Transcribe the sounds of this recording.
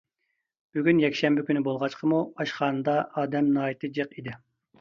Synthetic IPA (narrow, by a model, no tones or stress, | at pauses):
b̥yɡʲynjɛkʲʃɛmbɪkʲynɪbolˠʁɑt͡ʃqʰəmuɑʃχɑːnɨd̪ɑʔɑːd̪ɛmnɑːit̪ʰɨd͡ʒəqid̪ɪ